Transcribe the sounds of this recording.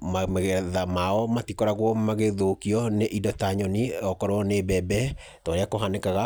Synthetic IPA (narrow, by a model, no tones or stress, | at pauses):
mamɛɣɛðamaɔmatikɔɾaɣwɔmaɣeðokiɔneʔidɔtaɲɔniɔkɔɾɔnebɛbɛ | tɔɾeakoɦanekaɣa